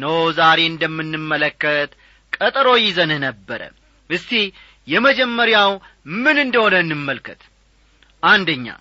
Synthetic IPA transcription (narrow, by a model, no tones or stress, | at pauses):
nəwzaɾe̞ɨnd̪əmːɨnːɨmːələkːət̪ | kʼət̪ʼɾo̞jɪzənɨnəbːəɾə̰ | ʔɨst̪i | jɛməd͡ʒɛmːəɾjawmɨnɨnd̪əho̞nənːɨmːəlkʰət̪ | ʔand̪əɲːa̰